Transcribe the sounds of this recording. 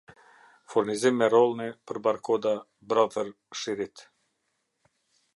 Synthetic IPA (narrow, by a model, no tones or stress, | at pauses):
fuɾnizimːɛɾɔlˠnipəɾbaɾkʰɔd̪a | bɾɔðəɾ | ʃiɾit̪